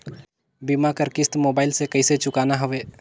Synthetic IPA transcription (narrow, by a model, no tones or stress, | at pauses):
bimakəɾkɪst̪moːbaːɪlsekəiset͡ʃʊkaːnaɦʊʋeː